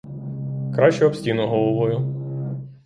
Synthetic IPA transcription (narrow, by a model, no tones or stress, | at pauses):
kɾɑʃt͡ʃɛɔpsʲtʲinʊɦɔlˠɔʋɔjʊ